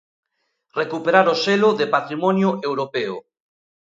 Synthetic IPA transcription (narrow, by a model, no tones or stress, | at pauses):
rekupeɾaɾoselʊðepat̪ɾimɔnjʊewɾopeʊ